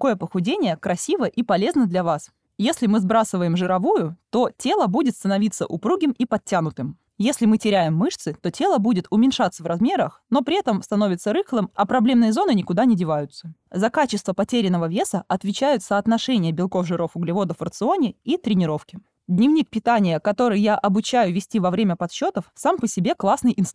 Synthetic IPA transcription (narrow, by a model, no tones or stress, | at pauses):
ko̞jəpəxʊdʲenʲɪjəkɾɐsʲivəʔipɐlʲe̞znəd̪lʲɐvas | jesʲlʲɪmɨzbɾasɨvəjɪmʐɨɾɐvujʊt̪o̞tʲe̞lˠəbudʲɪt̪st̪ənɐvʲit̪sːə̰ʔʊpɾuɡʲɪmipɐt̚tʲːanʊt̪ɨm | jesʲlʲɪmɨtʲɪɾʲæjɪmːɨʂt̪sɨt̪o̞tʲe̞lˠəbudʲɪt̪ʊmʲɪnʲʂat̪sːəvrɐzmʲe̞ɾəxno̞pɾʲɪɛt̪əmst̪ɐno̞vʲɪt̪səɾɨxlˠɨmɐpɾɐblʲe̞mnɨjəzo̞nɨnʲɪkʊd̪anʲɪdʲɪvajʊt̪sə̥zɐkat͡ɕɪst̪vəpɐtʲeɾʲɪnːəvəvʲe̞səʔɐt̪vʲɪt͡ɕæjʊt̪səːt̪nɐʂɛnʲɪjəbʲɪlˠko̞fʐɨɾo̞fʊɡlʲɪvo̞d̪əfərt̪sɨo̞nʲɪit̪ɾʲɪnʲɪɾo̞fkʲɪ | d̪ʲnʲɪvnʲik̚pʲɪt̪anʲɪjəkɐt̪o̞ɾɨjjaʔɐbʊt͡ɕæjʊvʲɪsʲtʲivɐvɾʲemʲəpɐt̪ɕːo̞t̪əfsampəsʲɪbʲe̞klˠasnɨjʔɪns